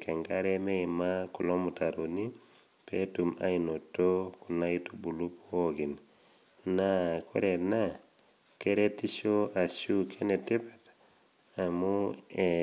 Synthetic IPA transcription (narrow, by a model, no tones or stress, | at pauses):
keŋɡaɾemeimakulomutaɾoni | petuma̰jnotːokunaitubulupwoɡin | nakʰo̰ɾena | keɾetiʃoʔaʃukʰenetipat | amue